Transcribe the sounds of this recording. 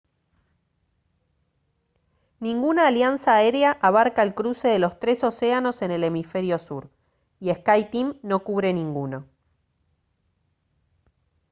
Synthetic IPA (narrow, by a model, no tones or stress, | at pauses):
nĩŋɡunaːljansaeɾeaʔaβaɾkaelkɾuse̞ðelo̞st̪ɾe̞so̞se̞ano̞se̞ne̞le̞mife̞ɾjo̞suɾ | ie̞skajt̪imno̞kuβɾenĩŋɡuno̞